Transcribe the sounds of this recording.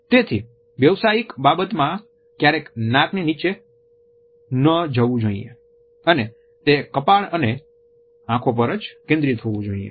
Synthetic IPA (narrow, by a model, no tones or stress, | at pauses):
t̪et̪ʰi | ʋjəʋsaikbabət̪mã | kjaɾeknãknenit͡ʃe | nəd͡ʒəʋũd͡ʒoḭḛ | əne | t̪ekəpaɭəne | ãkʰõp̬əɾət͡ʃkẽnd̪ɾit̪ʰoʋũd͡ʒoiḛ